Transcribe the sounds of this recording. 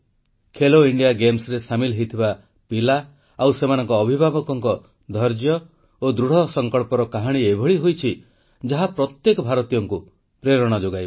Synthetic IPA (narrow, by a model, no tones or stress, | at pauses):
kʰeloiɳɖijaɡemsɾesamilɦejt̪ʰiba | pila | awsemanɔŋkɔːbʱibʱabɔkɔŋkɔ | d̪ʱɔɾd͡ʒjɔ | od̪ɾuɽ̤ɔsɔŋkɔɭpɔɾɔkaɦaɽ̃iebʱɔɭiɦojt͡ʃʰi | d͡ʒaɦapɾɔt̪jekɔbʱaɾɔt̪ijɔŋku | pɾeɾɔɽ̃ɔd͡ʒoɡajb